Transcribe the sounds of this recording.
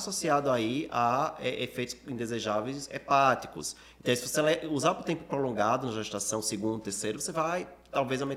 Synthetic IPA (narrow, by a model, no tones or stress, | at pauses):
sosiad̪ʊaiaɛʔefejt̪ʊ̥sĩd̪ezeʒavejsḛpat̪i̥kʊ̰s | ẽt̪ɐ̃w̃sɪvoselɛuzaɾpʊt̪ẽmpʊ̥pɾolõɡad̪ʊnɐʒaʒiʃt̪asɐ̃w̃seɡũnd̪ʊt̪eɾsejɾʊvosevajt̪awvejzɐ̃mẽ